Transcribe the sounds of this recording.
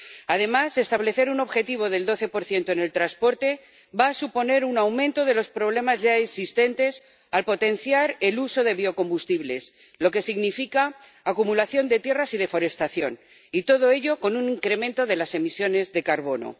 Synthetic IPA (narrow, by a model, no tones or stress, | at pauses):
að̞e̞mase̞st̪aβle̞θe̞ɾuno̞βxe̞t̪iβ̞o̞ðe̞ld̪o̞θe̞po̞ɾθje̞nt̪oene̞lt̪ɾaspo̞ɾt̪e̞ | baːsupo̞ne̞ɾunawmẽnt̪o̞ðe̞lo̞spɾo̞βle̞mazʝaeksist̪e̞nt̪e̞s | alpo̞t̪e̞nθjaɾeluso̞ðe̞βio̞ko̞mbust̪iβle̞s | lo̞ke̞siɣnifikaː | kumulaθjo̞nd̪e̞t̪je̞rasið̞e̞fo̞ɾe̞st̪aθjo̞̰n | it̪o̞ð̞o̞e̞ʎo̞ko̞nuniŋkɾe̞mẽnt̪o̞ðe̞lase̞misjo̞ne̞zðe̞kaɾβo̞no̞̰